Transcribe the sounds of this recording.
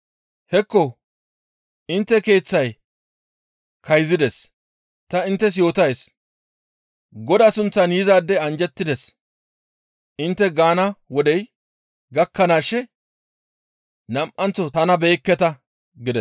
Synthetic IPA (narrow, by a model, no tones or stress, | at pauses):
hɛkːɔ | ʔɪnt̪ːɛke̞ːt͡sːɐj | kʰɐjzɪd̪ɛs | t̪ɐɪnt̪ːɛs̬jo̞ːt̪ɐjs | ɡɔd̪asʊnt͡sːɐnjɪzaːd̪ːɛɐnd͡ʒɛt̪ːɪd̪ɛs | ʔɪnt̪ːɛɡaːnɐwɔd̪ɛj | ɡɐkːɐnaːʃːɛ | nɐmʔɐnt͡sːɔtɐnɐbe̞ːkːɛt̪ɐ | ɡɪd̪ɛs